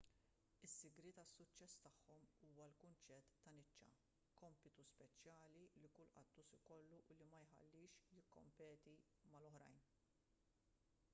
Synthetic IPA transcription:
ɪsːɪɡɾɪt̪ɐsːʊt͡ʃːɛst̪ɐħːɔmuːwɐlkʊnt͡ʃɛt̪ːɐnɪt͡ʃːɐ̰ | kɔmpɪt̪uspɛt͡ʃjɐːlilikʊlʔɐ̰t̪ːusɪkɔlːuʔʊlimɐjħɐ̰lːɪːʃjɪkːɔ̰mpɛːt̪i | mɐlɔħɾɐ̰jn

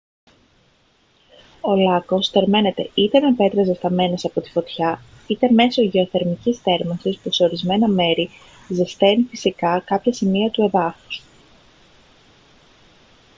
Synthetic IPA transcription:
o̞lɐko̞st̪e̞ɾme̞ne̞t̪e̞̰it̪enɐpe̞t̪ɾɐzest̪ɐme̞nesɐpo̞t̪i̥fo̞t̪çɐ | it̪e̞me̞so̞ʝe̞o̞θe̞ɾmicist̪e̞ɾmɐsispuse̞o̞ɾizme̞nɐme̞ɾi | zist̪e̞nifisikɐkɐpçɐsimiɐt̪ue̞ðɐfu̥s

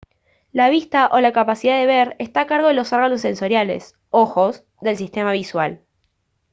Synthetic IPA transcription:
laβist̪aʔo̞lakapasiðaðe̞βeɾest̪akaɾɣo̞ð̞elo̞soɾɣanos̬ːe̞nso̞ɾjale̞̰s | o̞xo̞z | ðe̞lsist̪e̞maβiswa̰l

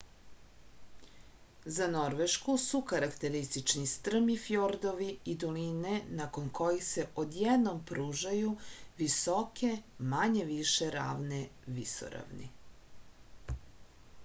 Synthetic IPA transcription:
zano̞ɾʋeʃkusukaɾakt̪eɾist̪it͡ʃnist̪r̩mifjoɾd̪o̞ʋiid̪olinenakonko̞jixse̞ʔod̪jɛd̪nompɾuːʒajuʋiso̞ke̞maɲe̞ʋiʃeɾa̰ːʋneʋiso̰ɾa̰ʋnḭ

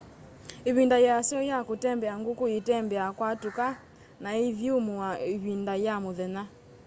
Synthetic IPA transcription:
eβindajasjɔjakotɛmbɛaŋɡokoetɛmbɛakwatuka | naiðjomoaeβindajamoðɛna

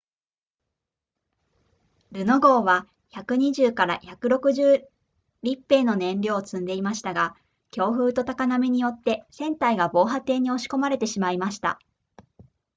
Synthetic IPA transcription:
ɾɯ̟no̞ɡo̞ːβa | çakɯ̟ɲ̟iʑɨːkaɾa̰çakɯ̟ɾo̞kɯ̟ʑɨː | ɾʲipːe̞ːno̞nẽ̞nɾʲjo̞ːt͡sɨ̃nd̪e̞imaɕi̥t̪aɡa | kʲo̞ːɸɯ̟ːt̪o̞t̪akaname̞ɲ̟ijo̞t̪ːe̞sẽ̞nt̪aiɡabo̞ːɦat̪e̞ːɲ̟io̞ɕi̥ko̞maɾe̞t̪e̞ɕimaimaɕi̥t̪a̰

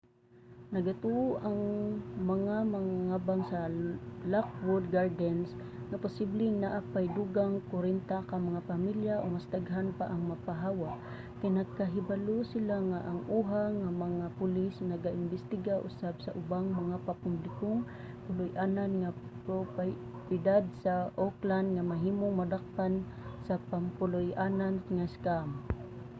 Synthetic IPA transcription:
nɐɡat̪uʔʊʔaŋmɐŋamaŋaŋaːbaŋsɐlak̚wod̪̚ɡaɹd̪ɛns | ŋapʊsiblɪŋnaʔapajd̪uɡaŋkʊɾɛnt̪akamɐŋapamiljaʔomasd̪aɡɦanpaʔɐŋmapaɦaːwaʔ | kajnɐɡ̚kaɦɪbalosɪlaŋaʔːŋʔuɦaŋamaŋapʊlɪsnaɡaʔɪnbɪst̪ɪɡaʔʊ̰sabsaʔʊbaŋmaŋapapʊmblɪkʊŋ | pʊlʊjʔaːnanŋapɾop | pɪd̪ad̪̚saʔoklandŋamaɦiːmʊŋmad̪ak̚tan | sapampʊlʊjʔananŋaskam

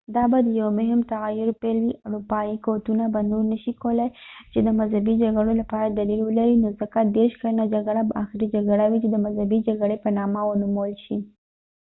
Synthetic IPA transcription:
d̪ɑbad̪əjawmʊɦɪmt̪aɣajʊɾpelwiʔaɾupɑikot̪unabanoɾnəʃikowlat͡ʃed̪əmazhabid͡ʒaɡaɽolapɑɾad̪alilwəlaɾinozəkad̪eɾʃkalunad͡ʒaɡaɽabaaxɪɾid͡ʒaɡaɽawit͡ʃed̪əmazhabid͡ʒaɡaɽepənɑmawənumawəlʃi

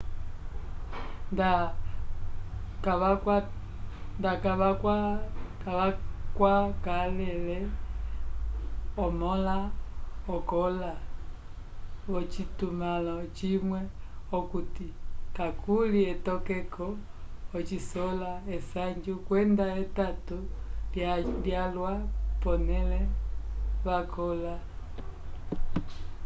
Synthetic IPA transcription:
nda | kaβaa | ndakaβakkaβakwakalɛlɛ | ɔmɔlaɔkɔla | ɔt͡ʃitumalat͡ʃimwɛɔkutikakʰuliɛtɔkɛkʰɔː | t͡ʃisɔlaɛsaɲd͡ʒukwɛndaɛtatuljaljalwapɔnɛlɛ | βakɔla

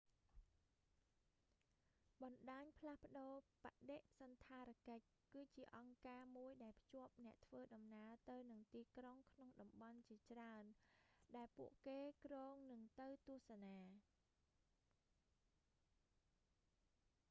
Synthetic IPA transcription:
ɓɑnɗaːɲpʰlahpə̆ɗoːpaʔɗeʔsɑnt̪ʰaːɾkəc̚kɨːt͡ɕiəʔɑŋkaːmuəjɗaɛlpʰt͡ɕŏəp̚nɛ̆əʔt̪ʰʋəːɗɑmnaət̪ɨwnɨŋt̪iːkroŋkʰnoŋɗɑmɓɑnt͡ɕiət͡ɕraənɗaɛlpṵəʔkeːkrɔːŋnɨŋt̪ɨwt̪ŭəhsanaː

